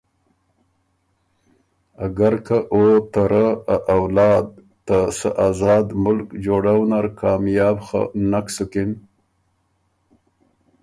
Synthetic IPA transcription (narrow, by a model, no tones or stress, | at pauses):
aɡaɾkaʔot̪aɾaaʔːwlɑːd̪̚ | t̪asə̰ʔaːzɑːd̪mʊlkd͡ʒoːɽawnaɾkɑːmjɑːbxa̰naksʊkɪn